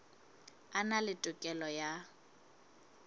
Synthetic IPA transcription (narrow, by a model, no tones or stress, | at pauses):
analɪtʼʊkʼɛlɔja